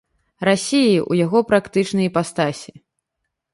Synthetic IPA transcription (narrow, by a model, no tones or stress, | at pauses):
rasʲijiʔṵjaɣɔpɾakt̪ɨt͡ʂnɨjpast̪asʲi